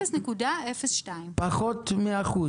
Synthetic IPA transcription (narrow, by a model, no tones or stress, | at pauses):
esnekudaefesʃtaimpaχot̪meaχu